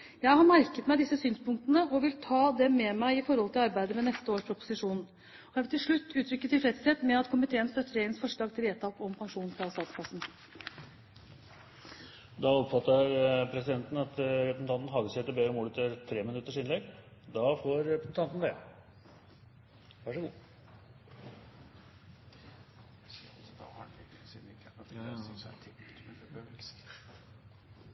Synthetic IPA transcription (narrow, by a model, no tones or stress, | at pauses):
jæɪhɑɾmæɾkət̪mæɪd̪ɪsːəsyːnspʊŋk̚t̪ənəʔɔʋɪlt̪ʰɑːd̪ɛmɛmæɪɪfɔɾhɔlt̪ɪlɑɾbæɪd̪əmɛnɛst̪əoːʂpʰɾʊpʊ̥sɪʂuːn | ɔjæʋɪlt̪ʰɪlʂɭʉt̪ːʉːt̪ʰɾʏkːət̪ɪlfɾɛt̪sɛt̪mɛɑt̪kʰʊmɪt̪ʰeːənst̪œt̪ːəɾɛɪənsfɔʂɭɑːɡt̪ɪleːt̪ʰɑkɔmpʰɑŋʂuːnfɾɑst̪ɑːt̪skʰɑsn̩ | d̪ɑɔpfɑt̪ːəɾpʰɾɛsɪd̪ɛnt̪n̩ɑt̪ɾɛpɾəsn̩ʰɑnt̪n̩ɦɑːɡəsɛt̪ːəbɛɾəmuːlət̪ʰɾt̪ʰɾeːmɪnʉt̪ːəʂɪnlɛɡd̪ɑfoːɾɾɛpɾəsn̩t̪ʰɑnt̪nd̪ɛ | ʋæʂəɡuː | d̪ɑhɑɪsid̪nɪk̪ɔst̪ʰɪ